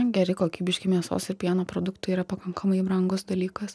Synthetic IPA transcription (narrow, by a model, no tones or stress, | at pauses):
ɡʲɛɾʲɪkoːkʲiːbʲɪʃʲkʲɪmʲiɛso̰ːsɪɾpʲiɛnoːpɾoːd̪ʊkt̪ɐiːɾɐpɐkɐŋkʰɐmɐɪbɾɐŋɡʊsd̪ɐlʲiːkɐs